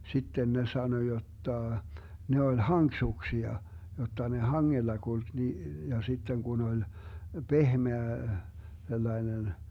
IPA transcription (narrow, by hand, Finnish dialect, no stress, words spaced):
sitːen ne sɑno jotːɑˑ ne olʲ hɑŋksuksiɑ jotːɑ ne hɑŋːelːɑ kulk ni jɑ sitːen kun olʲ pehmeæ selːɑinen